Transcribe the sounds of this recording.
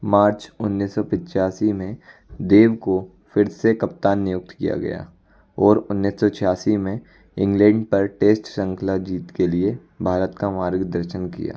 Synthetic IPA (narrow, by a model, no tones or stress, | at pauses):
maːɾt͡ʃʊnːisːɔpɪ̃t͡ʃaːsimẽd̪eːʋko | fɪɾsekɐpt̪aːnːɪjʊk̚t̪kija̰ɡɐ̰ja̰ː | ɔːɾʊnːiːsɔt͡ʃʰɪjaːsimẽ | ɪ̃ŋɡlɛ̃ːɳɖpɐɾʈeːsʈsə̃ŋkʰlad͡ʒiːt̪kelie | bʱaːɾət̪kamaːɾɡd̪əɾʃənkḭja̰ː